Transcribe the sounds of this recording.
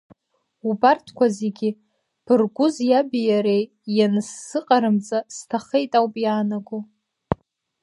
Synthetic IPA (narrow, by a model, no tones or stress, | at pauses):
ubartʰkʷaze̞ɡʲi | b̥ɨrɡʷʊzjabijaɾej | janɨsːɨqʼaɾɨmt͡sʼastʰaχejtʼawpʼjaːnaɡu